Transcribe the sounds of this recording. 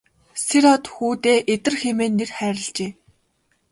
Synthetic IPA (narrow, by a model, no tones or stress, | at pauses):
seɾɔt̪xuːt̪eːʔet̪ɘ̆rxemeːnːerχæːɾɪ̆ɮt͡ɕeː